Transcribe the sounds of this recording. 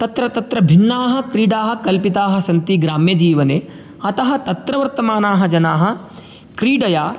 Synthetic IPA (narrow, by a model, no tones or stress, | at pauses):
t̪ɐt̪ɾɐt̪ɐt̪ɾɐbʱinːaːɦɐ̆kɾiːɖaːɦɐ̆kɐlpit̪aːɦɐ̆sɐnt̪iɡɾaːmjɐd͡ʒiːʋɐneː | ɐt̪ɐɦɐ̆t̪ɐt̪ɾɐʋɐɾt̪ɐmaːnaːɦɐ̆d͡ʒɐnaːɦɐ̆ | kɾiːɖɐjaː